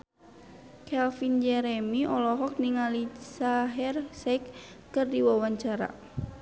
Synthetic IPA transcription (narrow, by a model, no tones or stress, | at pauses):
kʰɛlfind͡ʒɛɾɛmiʔɔlɔɦɔk̚niŋalisaɦɛrsɛik | kɨrdiwawaɲt͡ʃaɾa̰